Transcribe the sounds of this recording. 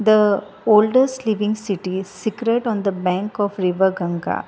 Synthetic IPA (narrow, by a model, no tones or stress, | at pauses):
d̪ə | oːlɖəsʈliʋɪ̃ŋsiʈisikɾeʈɔ̃ːnd̪əbæ̃ŋkɔːfɾɪʋəɾɡɐ̃ŋɡa̰ː